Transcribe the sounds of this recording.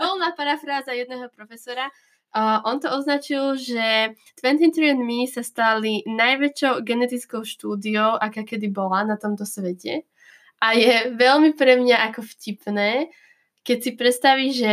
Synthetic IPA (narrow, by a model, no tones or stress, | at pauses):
vɛlˠnaːpaɾafɾaːzajɛd̪nɛːɦɔpɾɔfɛsɔɾa | ʔɔnt̪ɔɔznat͡ʃilʒɛ | t̪ʋɛnt̪int̪ɾiɛnmisast̪alinajʋɛt͡ʃɔʊɡɛnɛt̪it͡skɔʊʃt̪uːd̪iɔʊʔakaːkɛd̪ibɔlanat̪ɔmt̪ɔsʋɛcɛ | ʔajɛʋɛʎmipɾɛmɲaʔakɔfcipnɛː | kɛcsipɾɛt̪st̪aʋiʒɛ